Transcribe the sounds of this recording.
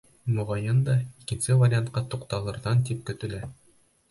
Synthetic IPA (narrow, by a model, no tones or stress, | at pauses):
mŏʁɑjɤnd̪ɑikɘ̆nsɘvɐɾʲɪant̪̚qɑt̪uqt̪ɑlˠɤ̆ɾðɑnt̪ip̚kɵ̆t̪ɘ̆læ